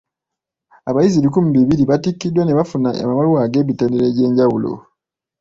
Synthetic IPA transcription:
aβajiziβikumuβiβiɾiβatikːidwaneβafuna̰a̰mamaluwaːɡe̞ːβiteːniɾeɟe̞ːɲɟawulo̰

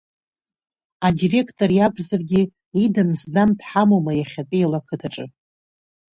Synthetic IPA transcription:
adire̞kʰtʼoɾjakʷʰʼzarɡʲi | idamzdamtʰħamomajaχʲatʼijalakʰɨtʰaʈ͡ʂʼɨ

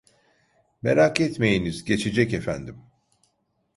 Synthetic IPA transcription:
me̞̰ɾakɛt̪me̞jinizɟe̞t͡ʃʰed͡ʒɛcefænd̪im

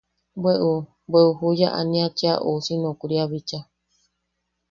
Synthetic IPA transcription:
bweʔu | beʔuɦujaʔa̰nĩat͡ʃeaʔosinõkuɾiaβit͡ʃa

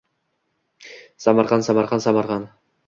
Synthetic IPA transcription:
sɑmɑɾχɑnsɑmɑɾχɑnsɑmɑɾʁɑn

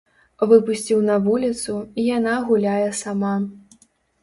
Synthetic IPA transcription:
vɨpusʲt͡sʲiwnɐvulʲit̪suijanaɣulʲajɛsama

